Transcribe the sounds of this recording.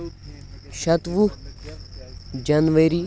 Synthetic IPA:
ʃɐt̪ʋu | d͡ʒɐnʋɐɾi

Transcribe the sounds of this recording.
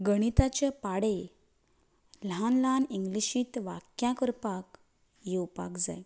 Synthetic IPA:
ɡəɽ̃it̪at͡ɕepaɽe | lanlaniŋɡliɕiːt̪ʋa̰kjãkəɾpak | jewpa̰kd͡za̰j

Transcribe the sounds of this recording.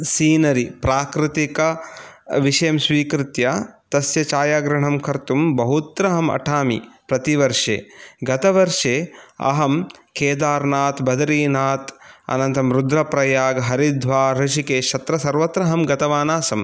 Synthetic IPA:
siːnɐɾipɾaːkɾɪt̪ikɐ | ʋiʂɐjɐmsʋiːkɾɪt̪jɐt̪ɐsjɐt͡ʃaːjaːɡɾɐɳɐmkʰɐɾt̪umbɐɦut̪ɾɐɦɐmɐ̰ʈʰaːmḭpɾɐt̪iʋɐɾʂḛːɡɐt̪ɐʋɐɾʂeːɐ̰ɦɐmkʰeːd̪aːɾnaːt̪bɐd̪ɐɾiːnaːt̪ɐ̰nɐnt̪ɐmɾud̪ɾɐpɾɐjaːɡɐɦɐɾid̪ʱʋaːɾiʃikeːʃɐt̪ɾɐsɐɾʋɐt̪ɾɐɦɐmɡɐt̪ɐʋaːnaːsɐm

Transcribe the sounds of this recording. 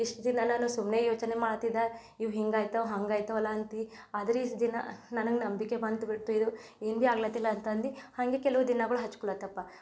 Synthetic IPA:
iʂʈd̪inɐnaːnusumnejoːt͡ʃne̞maːɽt̪id̪a | iʋɦiŋɡaːjt̪ɐʋɦɐŋɡaːjt̪ɐʋɐlːaɐnt̪i | ad̪ɐɾiʈd̪inɐ̰nɐnɐɡenɐmbikebɐnt̪uɡiɽt̪ːuid̪ueːnbiaːɡlɐt̪ilːɐːnt̪ɐnd̪ihaŋɡe̞kɛlɐʋud̪inɐɡɐɭuɦɐt͡ʃːu̥kuɭːɐt̪ːɐpːa

